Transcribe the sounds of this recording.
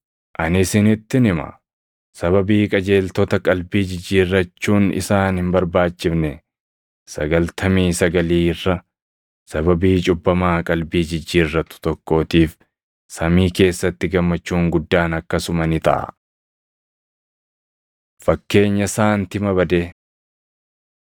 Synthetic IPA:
ʔɐnɪsɪnɪt̪ːɪnɪmɐ̰ | sɐβɐbiːkʼɐd͡ʒe̞ːlt̪ɔt̪ɐkʼɐlbiːd͡ʒɪd͡ʒːiːrːɐt͡ʃːuːnɪ̰saːnhɪmbɐɾbaːt͡ʃːɪfnɛ | sɐɡɐlt̪ʰɐmiːsɐɡɐliːrːɐ | sɐbɐbiːt͡ʃʼʊbːɐmaːkʼɐlbiːd͡ʒɪd͡ʒːiːrːɐt̪ʊ̥t̪ɔkːo̞ːt̪iːf | sɐmiːke̞ːsːɐt̪ːɪɡɐmːɐt͡ʃːuːŋɡʊd̪ːaːnɐkːɐsʊmɐnɪt̪ɐ̰ʔɐ̰ | fɐkːe̞ːɲːɐsaːnt̪ɪmɐβɐd̪e

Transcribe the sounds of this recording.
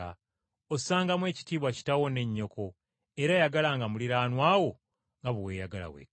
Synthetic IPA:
a̰ | osaːŋɡamwe̞ːci̥tiːβwaci̥tawo̞ne̞ɲːo̞kʰo̞ | eɾajaɡalaŋɡamuliɾaːnwaːwo̞ | ŋɡaβuweːjaɡala̰wḛ

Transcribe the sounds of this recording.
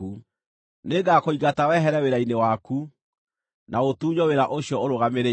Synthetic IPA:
u | neɡakoiɣatawɛɦɛɾɛweɾainewaku | nʔaotuːɲɔweɾaʔoɕjɔoɾoɣameɾe

